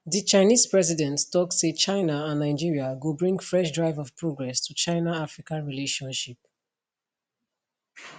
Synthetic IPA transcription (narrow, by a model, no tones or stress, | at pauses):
ðit͡ʃaɪniz̥pɹɛzidɛ̃nttɔkset͡ʃãɪnaãnːaɪd͡ʒiɹiaɡobɹĩŋɡfɹɛʃdɹaɪvɔv̥pʰɹoɡɹɛstʰut͡ʃãɪnaafɹikãnɹileʃɔ̃nʃip̚